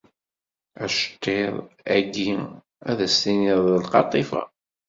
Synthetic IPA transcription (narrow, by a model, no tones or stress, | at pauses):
æʃə̥t̪ːeðˤæɡi | æðæstinɪðˤðəlqɑt̪ˤːifæ̰